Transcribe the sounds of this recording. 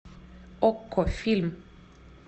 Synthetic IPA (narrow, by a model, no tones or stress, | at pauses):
ɔkʰːɔfɪlm